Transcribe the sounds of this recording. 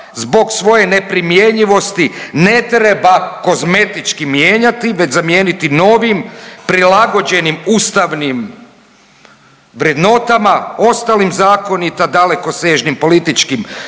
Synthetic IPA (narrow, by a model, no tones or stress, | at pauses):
zbo̞ɡsʋo̞je̞nepɾimje̞ɲiʋo̞st̪ine̞t̪ɾebako̞zme̞t̪it͡ʃkimjeːɲat̪iʋe̞t͡ɕzamjeːnit̪ino̞ːʋimpɾilaɡo̞d͡ʑe̞nimuːst̪aʋnim | ʋɾje̞d̪no̞t̪amao̞st̪alimzaːko̞nit̪ad̪ale̞koseːʒnimpo̞lit̪it͡ʃkim